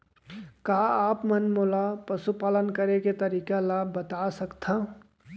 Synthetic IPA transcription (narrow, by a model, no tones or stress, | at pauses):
kaːaːpmənmoːlapəsupaːlənkəɾeket̪ɐɾiːkalaːbbːət̪asəkt̪ʰã